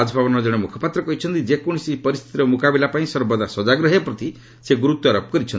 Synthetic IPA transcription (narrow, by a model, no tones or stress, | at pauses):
ad͡ʒɔbʱabɔnɔd͡ʒɔɽ̃emukʰɔpat̪ɾɔkɔɦit͡ʃʰɔnt̪id͡ʒekɔɽ̃isipɔɾist̪ʰit̪iɾɔmukabilapaĩsɔɾbɔd̪asɔd͡ʒaɡɾɔɦepɾɔt̪i | seɡuɾut̪ːɔɾɔp̚kɔɾit͡ʃʰɔn